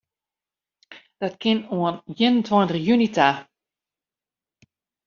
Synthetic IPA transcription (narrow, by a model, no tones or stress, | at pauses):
d̥ɔtkɪnuənjɪnəntwɔjntəχjynitʰa